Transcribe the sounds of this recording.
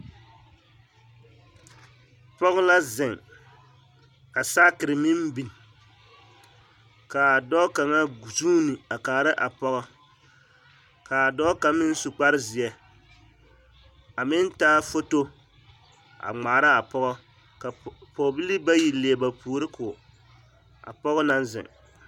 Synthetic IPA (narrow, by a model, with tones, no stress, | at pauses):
pɔ˦ɣla˦zɪ˨ŋ | ka˨saː˦kɨ˨ɾɨ˨mɪ˦m˦bi˨n˨ | ka˨a˨dɔ˦ka˨ŋa˦˨suː˦nɨ˨a˨kaː˨ɾɨ˦ʔa˨pɔ˦ɣɔ˦ | ka˨dɔ˦ka˦mɪ˦n˦su˨k͡pa˦ɾɪ˦zɪ˨ɛ˨ | a˨mɪ˦n˦taː˦fo˦to˦ | a̰˨ŋ͡maː˨ɾa˦a˨pɔ˦ɡɔ˦ | ka˨po˨bi˦li˦ba˦ji˨le˨ba˨puː˨ɾɨ˦kʰʊ˨ | a̰˨pɔ˦ɣɔ˦na˦nzɪ̰˨ŋ